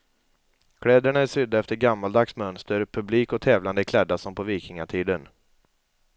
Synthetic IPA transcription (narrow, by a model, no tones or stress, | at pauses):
kʰɽɛːd̪əɳaæʂʏd̪ːaɛft̪əɾɡamːald̪aksmœnst̪əɾpʰɵbliːkɔt̪ʰɛːvland̪əɪkʰlɛd̪ːasɔmpʰɔviːkɪŋaʈʰiːd̪ən